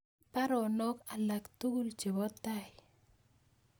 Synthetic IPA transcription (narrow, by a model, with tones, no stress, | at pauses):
pa˦ɾɔ˨nɔ˦ka˨la˨ktu˦ɡu˦lt͡ʃe˨bɔ˦ta˦˨ɪ˨